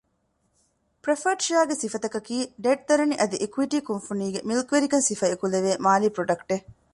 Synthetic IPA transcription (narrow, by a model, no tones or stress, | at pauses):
pɾefɐʈʃiaːɡesifɐt̪ɐkɐkiːɖeːʈ̚d̪ɐɾɐniʔɐd̪iʔekuʋiʈiːkunfuniːɡemilkʋeɾikɐnsifɐekuleʋeːmaːliːpɾoɖɐkʈe